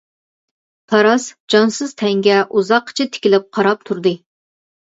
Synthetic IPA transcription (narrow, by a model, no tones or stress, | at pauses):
p̪ʰɑɾɑsd͡ʒɑnsɨz̥t̪ʰɛŋɡʲɛʔuzɑqʰːə̥t͡ʃʰɪt̪ʰɪ̥kʲilɪp̚qʰɑɾɑp̚t̪ʰuɾd̪ɨ